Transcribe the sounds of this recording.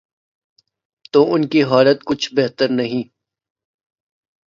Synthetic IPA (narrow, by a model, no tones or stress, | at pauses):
t̪oːʔʊnkiɦɔːlət̪̚kʊt͡ʃʰbeɦt̪əɾnɐɦĩː